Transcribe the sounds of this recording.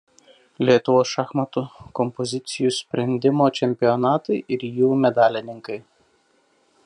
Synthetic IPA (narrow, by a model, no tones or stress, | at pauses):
lʲiɛt̪ʊʋoːsʃɑxmɐt̪ʊkɔmpɔzʲɪt̪sʲɪjusʲpʲɾʲɛnʲd̪ʲɪmoːt͡ʃʲɛmʲpʲɪjɔnɑːt̪ɐɪʔɪɾjuːmʲɛd̪ɑːlʲɪnʲɪŋkɐɪ